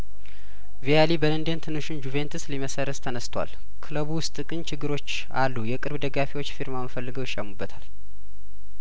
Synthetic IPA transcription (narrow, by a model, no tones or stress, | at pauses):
vialibələnd̪ent̪ʰɨnːɨʃund͡ʒuve̞nt̪ʰɨsliməsəɾət̪t̪ʰənəst̪ʰwa̰l | kʰɨləβwʊst̪ʼɨkʼɨnt͡ʃʰɪɡːɨɾo̞t͡ʃː | a̰lːujɛkʼɨɾβd̪əɡafiwo̞t͡ʃːfiɾmamfəlːɨɡəwjɪʃʼəmubːət̪ʰal